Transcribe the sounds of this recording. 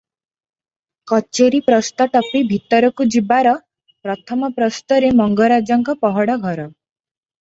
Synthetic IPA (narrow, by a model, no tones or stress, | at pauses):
kɔt͡ʃeɾipɾɔst̪ɔʈɔpibʱit̪ɔɾɔkud͡ʒibaɾɔ | pɾɔt̪ʰɔmɔpɾɔst̪ɔɾemɔŋɡɔɾad͡ʒɔŋkɔpɔɦɔɽɔɡʱɔɾɔ